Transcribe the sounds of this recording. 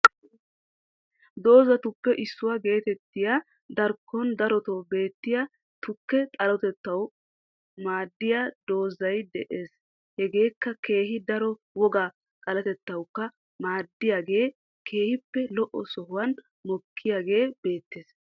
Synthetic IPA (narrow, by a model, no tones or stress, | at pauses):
d̪o̞ːzɐt̪ʊkːɛʔɪsːʊwaɡe̞ːt̪ɛt̪ːɪja | d̪ɐɾkʰːɔnd̪ɐɾɔt̪ɔbe̞ːt̪ːɪja | t̪ʊkːɛt̪ʼɐlɔt̪ɛt̪ːɐw | maːd̪ːɪjad̪o̞ːzɐjd̪ɛʔe̞ːs | hɛɡe̞ːkːɐke̞ːɦɪd̪ɐɾɔ | wɔɡaː | kʼɐlɐt̪ɛt̪ːɐwkːɐ | maːd̪ːɪjaːɡe̞ː | kʰe̞ːhɪpːɛlɔʔɔ̰sɔhʊwɐn | mɔkʰːɪjaːɡe̞ːbe̞ːt̪ːeːs